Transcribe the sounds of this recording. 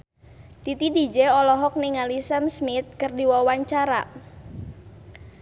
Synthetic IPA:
t̪it̪idid͡ʒɛɔlɔɦɔk̚niŋalisɛmsmɪt̪̚kɨrdiwɔwaɲt͡ʃaɾa

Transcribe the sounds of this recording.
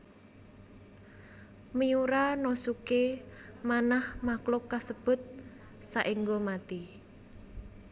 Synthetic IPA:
məjuɾanosukemanahmaklʊkːasəb̥ʊ̤t̪̚ | saʔiŋɡomat̪i

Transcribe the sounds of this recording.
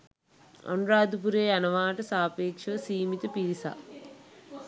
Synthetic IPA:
ɐ̰nɾaːd̪upuɾeːɐnɐʋaːʈɐsaːpeːkʂɐʋɐsiːmit̪ɐpilisa̰

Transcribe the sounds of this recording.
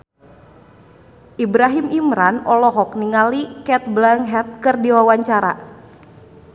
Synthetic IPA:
ʔibɾaɦimimɾanɔlɔɦɔk̚niŋalikɛt̪̚blaŋɦɛt̪̚kɨrdiwawaɲt͡ʃaɾa̰

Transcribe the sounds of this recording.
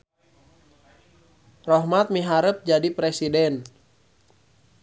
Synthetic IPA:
rɔɦmat̪̚miɦaɾəp̚d͡ʒadipɾesidɛn

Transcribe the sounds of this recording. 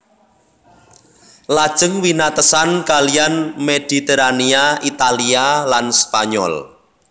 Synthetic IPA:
lad̥ʒ̥əŋwinat̪əsankalijanmed̥i̤t̪eɾaniait̪alialanspaɲɔ̰l

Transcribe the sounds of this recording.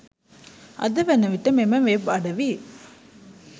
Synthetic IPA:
ɐ̰d̪ɐʋɐnːɐʋiʈːɐmemɐmʋepɐɽɐʋi

